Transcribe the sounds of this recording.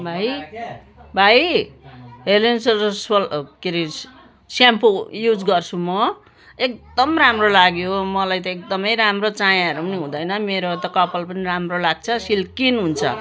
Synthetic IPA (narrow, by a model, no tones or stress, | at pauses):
bʱaj | bʱaj | ɦelenssʌlkiɾi | sampojud͡zɡʌrt͡sʰumʌ | ek̚d̪ʌmramrolaɡjomʌlajt̪ʌek̚d̪ʌmʌjɾamrot͡sãjaɦʌɾupʌniɦũd̪ʌjnʌmeɾot̪ʌkʌpʌlpʌniramrolaɡ̚t͡sʰʌsilkinɦunt͡sʰʌ̰